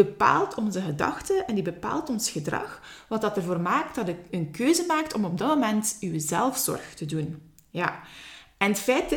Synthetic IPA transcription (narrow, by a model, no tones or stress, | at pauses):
əpa̰ːlˠtʰɔnzəɣədɑ̰xtəɛndibəpa̰ːlˠtɔnsxədrɑ̰xʋɑtɑtɛrvoːrmaːktdɑdəənkøːzəmaːk̚tɔmɔb̚dɑmomɛntywəzɛlˠfsɔ̰rxtədun | jaːɛnətfɛːt